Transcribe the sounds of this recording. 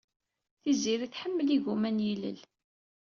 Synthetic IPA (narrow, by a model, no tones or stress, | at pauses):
θiziɾiθħəmːəliʝumænjilə̰l